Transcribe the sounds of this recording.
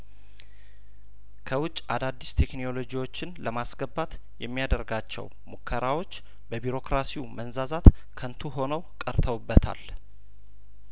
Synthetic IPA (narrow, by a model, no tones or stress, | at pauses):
kʰəwʊt͡ʃʼːad̪ad̪ːist̪ʰe̞kno̞lo̞d͡ʒiwo̞t͡ʃːɪnləmasɡəbat̪ | jɛmːijad̪əɾɡat͡ʃːɛ̰w | mukʰːəɾawo̞t͡ʃː | bəbiɾo̞kɾasiumənzazat̪ | kʰənt̪ʰuɦo̞nəwkʼəɾt̪ʰəwɨbːət̪ʰa̰l